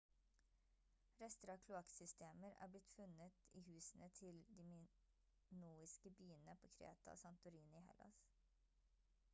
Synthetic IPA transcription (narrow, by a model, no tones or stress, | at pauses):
ɾɛst̪əɾɑːkʰlʊɑksʏst̪ʰeːməɾæ̰ːblɪt̪fʉnət̪iːhʉːsn̩ət̪ʰɪld̪iːmɪ | nuːɪskəbyːənəpʰoːkʰɾḛːt̪ɑ̰sɑnt̪ʊɾiːnɪɪhɛ̰lʔɑ̰s